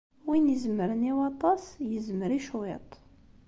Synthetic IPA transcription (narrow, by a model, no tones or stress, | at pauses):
winəzməɾəniwɑt̪ˤɑsjəzməɾiʃwḛt̪ˤ